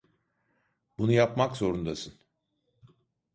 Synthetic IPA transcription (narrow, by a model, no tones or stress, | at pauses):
bunujapmakzo̞ɾund̪asɯn